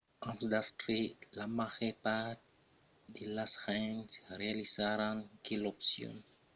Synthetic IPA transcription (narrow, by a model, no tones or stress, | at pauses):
ãmsdastɾilamaxepat | dilashansrealisaɾankilɔpsjo̰n